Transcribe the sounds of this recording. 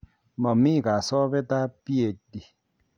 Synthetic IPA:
mɔ˨mi˦˨ka˨sɔː˦be˦ta˦pi˦e˨di˨

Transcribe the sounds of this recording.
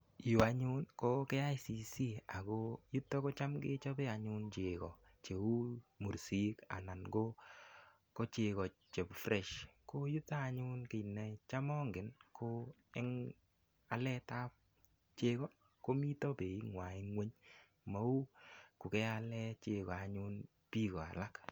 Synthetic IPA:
ju˨a˨ɲu˦nko˦kɛ˦a˦jsi˨si˦a˨ko˦ju˦tːɔ˦ko˦t͡ʃa˦mɡe˦t͡ʃɔ˦bɛ˦a˨ɲʊ˦nt͡ʃe˨kɔ̰˨ | t͡ʃe˨u˦mu˨ɾsi˦ka̰˨na˨nɡo˦ | ko˦t͡ʃe˨kɔ˨t͡ʃe˨pfɾɛ˨ʃko˦ju˦taː˦˨ɲʊ˦nke˨nːɛ˨t͡ʃa˦mɔ˦ŋɡɪ˨nkʰo˦ | ɛ˦ŋ | a˨lɛ˦ta˦p̚ | t͡ʃe˦kɔ˦ | ko˦mi˦tɔ˦pe˨i˦ŋwa˨i˦ŋwe˦ɲ | ma˨˦u˦kʊ˨kɛ˦a˧lɛ˦t͡ʃe˧kɔ˨a˨ɲʊ˦n | pi˦kɔ˨a̰˨la˦k

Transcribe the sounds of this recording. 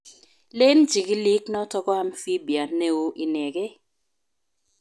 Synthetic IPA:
le˦nd͡ʒi˨kɪ˦li˦knɔ˦tɔ˦kɔ˦a˦mfi˦bi˨a˨ne˦u˦ʔi˨nɛ˨ɡɛ˦

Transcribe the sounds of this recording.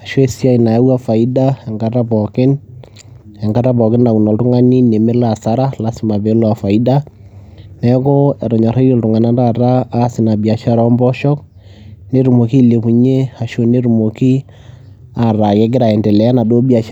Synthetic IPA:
a˨ʃo˦e˦˨si˦a˦˨i˨na˨a˦wa˦fa˨i˦da˦ɛ˨ŋɡa˦ta˦pɔ˨kɪ˦n | ɛ˨ŋɡa˦ta˦pɔ˨kɪ˦nna˨ku˨nɔ˨ltʊ˦ŋa˦ni˦ne˨me˦la˨sa˦ɾa˦la˦sɪ˦ma˨βe˨˦lɔ˦a˨fa˨i˦da˦ | nɛ˦kɔ˦ɛ˨ɾɔ˨ɲa˨ɾa˦o˨ltʊ˨ŋa˨na˦ta˦˨taː˦sɪ˨na˨bi˨a˨ʃa˦ɾɔ˦mbɔ˦ʃɔ˦k | ne˦ɾu˨mo˨ki˦le˨pu˨ɲe˦a˨ʃo˦ne˦ɾu˨mo˨ki˦ | a˨ra˨kɛ˦ɡ̬ɪ˦ɾa˨ɛ˨ndɛ˨lɛ˨ja˦na˨do˦bia˨ʃ

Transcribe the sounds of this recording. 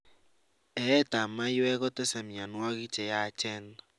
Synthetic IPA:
ɛ˨ɛ˦ta˨ma˦jɛ˦ɣɔ˦te˦sɛ˨mja˨nwa˦ɣi˦t͡ʃɛ˨ja˦t͡ʃɛ˦na

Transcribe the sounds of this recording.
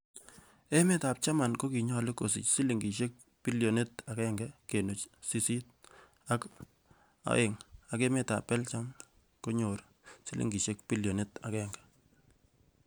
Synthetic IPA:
e˦me˦ta˨p̚t͡ʃa˦ma˨nko˦ki˨ɲɔ˦lɪ˦ko˨sḭ˨t͡ʃsi˦li˨ŋɡi˨ʃe˦k̚ | bi˦ljo˨ne˦ta˨kɛ˦ŋɡɛ˦ke˨nu˨t͡ʃsi˦si˦t̚ | a˦k | a̰˦ɪ˨ŋa˨ke˦me˦ta̰˨pːɛ˦lt͡ʃa˦m | ko˦ɲo˨ɾ | si˦lʔḭ˨ŋɡi˨ʃe˦kpi˦ljo˨ne˦ta˨kɛ˦ŋɡɛ̥˨

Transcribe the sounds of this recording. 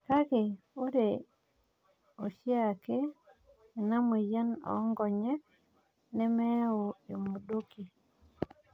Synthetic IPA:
ka˦kɪ˨ | o˦ɾe˨ | o˨ʃja˦˨keː˦˨ | na˦mu˨ja˦nɔ̰˨˦ŋɡɔ˨ɲɛ˦ | nɛ˦mɛ˦o˨e˨mu˨do˦ki˨

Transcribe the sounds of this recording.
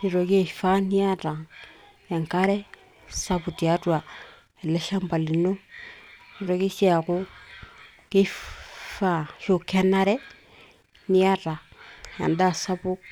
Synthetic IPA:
ni˨ɾo˨ɡe˦˨fa˦ni˦a˦ta˨ŋ | ja˨ŋka˦ɾe˦ | sa˦bu˨ti˨a˦tu˦a˨ | e˨le˦ʃa˦mba˨li˨nu˦ | i˨ɾo˦ɡi˦si˦a˨ku˦ | ki˦fa˦˨ʃu˨ke˦na˦ɾe˦ | ni˦a˦ta˨ja̰˨nda˦˨sa˦bu˦

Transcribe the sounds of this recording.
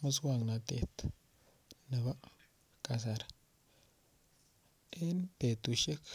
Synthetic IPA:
mə˦s̬wa˦˨ŋna˨t̪ḛ˨t̪ | nə˨βa˦ | ka˨s̬a˨ɾ | e˦npe˨t̪u˨ʃe˦k

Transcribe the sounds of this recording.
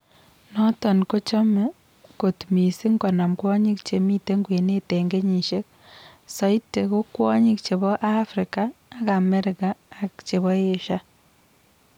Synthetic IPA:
nɔ˦tɔ˨nko˦t͡ʃɔ˦me˦ | ko˨tmi˨si˦ŋɡɔ˨na˨mkwɔ˦ɲi˦kt͡ʃe˨mi˦te˦ŋɡwe˨ne˦te˨ŋɡe˦ɲi˨ʃe˦k̚ | sɔ˦i˦te˨ku˦kwɔ˦ɲi˦k̚t͡ʃe˨βɔ˦ʔa˦fɾɪ˨kaː˦˨ka˨me˦ɾɪ˨kaː˨kt͡ʃe˨βɔ˦je˦ʃa˦

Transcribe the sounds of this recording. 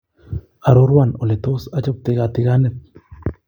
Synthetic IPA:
a˨ɾo˦ɾwano˨le˨t̪o˦sa˦t͡ʃo˦p̚t̪ɪɣat̪ɪ˦ɣanɛt̪̚

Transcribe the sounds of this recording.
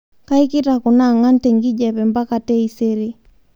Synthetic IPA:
ka˦i˦ki˦taku˨naŋa˦ntɛ˨ŋɡi˦d͡ʒɛpɛ˨mba˦katɛ˦i˦seɾi˦

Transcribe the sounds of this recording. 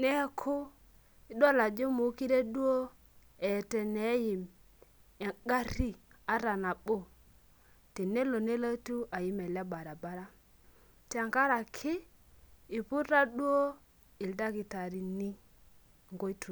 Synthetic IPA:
nɛ˦kʰʊ˦ | i˦dɔ˦la˨d͡ʒo˦mu˨˦ki˦ɾe˦dwo˦ | ɛ˨tɛ˨nɛ˨˦jɪ˨m | ɛ˨ɡa˦ɾi˦ | a˨˦ɾa˨na˨ɓo˦˨ | te˨ne˦lo˨ne˦la˦tu˦ʔa˨ji˦mɛ˨la˦ba˨ɾa˨ba˦ɾa˦ | ta˨ŋka˦ɾa˨kʰɪ˦ | ɪ˨pʊ˦ta˦dwo˦ | ɪ˨lda˦ki˨ta˨ɾi˨ni˦ | ŋɡo˦i˦tʰu˨

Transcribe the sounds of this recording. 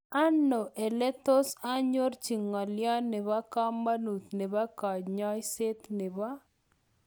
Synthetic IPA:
a˦nːo˨ʔe˨lɛ˦t̪o˦sa˦ɲo˦rt͡ʃi˨ŋːa˨lja˦nɪ˨βa˦ka˦ma˦nu˨t̪nɪ˨ba˦ka˨d͡ʒɲɔ˦jse˦t̪nɪ˨βa˦

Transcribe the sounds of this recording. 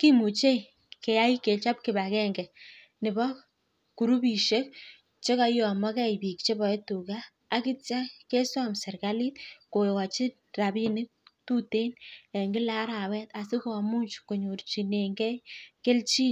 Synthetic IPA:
ki˦mu˨t͡ʃe˦j | ke˨ja˦i˦ke˨t͡ʃa˦p̚kɪ˨bakɛ˦ŋɡɛ˨ | nɪ˨bɔ˦ | ku˨ɾu˦bi˨ʃe˦k̚ | t͡ʃe˦ka˦jo˨a˨mɔ˦kɛ˦jbi˨k̚t͡ʃe˦bɔ˨e˦tu˨kaː˦ | kɪ˦t͡ʃa˦ke˦swamsɛ˨rkali˦t̚ko˨ka˨t͡ʃɪ˦ | ra˨bi˦nɪ˦k̚tu˦te˦nɛ˨ŋɡɪ˦la˦ɾa˨wɛ˦ta˨sɪ˦ka˨mu˦ɲt͡ʃko˨ɲo˨rt͡ʃi˨ne˨ŋɡɛ˦ke˦lt͡ʃi˦n

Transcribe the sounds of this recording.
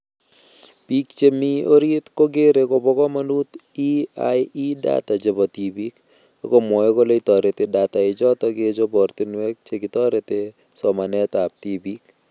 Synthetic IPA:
pi˦kt͡ʃe˦mi˦o˦ɾe˦t̪ko˦ɡe˦ɾe˨ko˦bɔ˦kɔ˦ma˦nu˦t̪ | i˦aji˦da̰t̪a˨d͡ʒe˨bɔ˨ti˨bi˦k | o˨ko˦mɔ˨je˦ko˦le˦i˦tɔ˨ɾe˨te˨da˨t̪a˨ɪ˨d͡ʒɔ˦t̪ɔ˦ɡe˦d͡ʒo˦bɔ˨ɾt̪i˦nwɛ˦k̚t͡ʃe˨ɡɪ˨tɔ˦ɾe˨te˨ | sɔ˨ma˨nɛ˦ta˨p̚ti˦bi˦k

